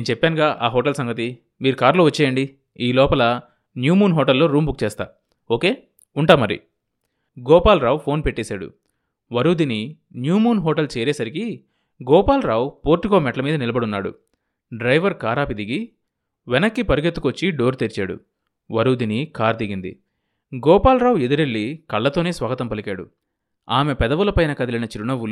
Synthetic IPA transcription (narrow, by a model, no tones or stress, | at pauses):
nneːnt͡ʃɛpːaːnɡaːʔaːɦɔːʈɐlsɐŋɡɐt̪̬i | miːɾukaːɾlo̞ːʋɐt͡ʃːɛːjɐɳɖi | iːlɔːpɐlɐ | njuːmuːnɦɔːʈɐlːo̞ːɾuːmbuk̚t͡ʃɛːst̪a̰ː | oːke̞ː | uɳʈaːmɐɾḭ | ɡɔːpaːlɾaːwpʰo̞ːnpeʈːeːsaːɽṵ | ʋɐɾuːd̪ini | njuːmuːnɦɔːʈɐlt͡ʃɛːɾɛːsɐɾiki | ɡɔːpaːlɾaːwpo̞ːɾʈikoːmɛʈɐlɐmiːd̪ɐnilɐbɐɽunːaːɽṵ | ɖɾɐjʋɐɾkaːɾaːpid̪iɡi | ʋɛnɐkːipɐɾuɡet̪ːu̥kʋot͡ʃːiɖo̞ːɾt̪eɾt͡ʃa̰ːɽṵ | ʋɐɾuːd̪inikaːɾd̪iɡind̪ḭ | ɡɔːpaːlɾaːwed̪uɾelːikɐɭːɐt̪oːne̞ːsʋaːɡɐt̪ɐmpɐlikaːɽṵ | aːmepɛd̪ɐʋulɐpɐjnɐkɐd̪ɐlinɐt͡ʃiɾuɳɐʋul